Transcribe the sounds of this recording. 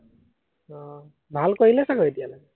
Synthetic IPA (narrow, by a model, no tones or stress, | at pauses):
ɔ | bʱalkoɹilɛsaɡɔɹetijalaɡɛ